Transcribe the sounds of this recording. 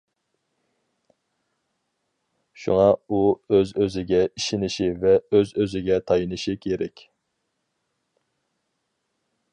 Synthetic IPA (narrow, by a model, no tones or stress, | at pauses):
ʃṵŋɑuøzøzɪɡʲɛiʃinɪʃivɛøzøzɪɡʲɛt̪ʰɑjinɨʃikʲʰeɾɛkʲ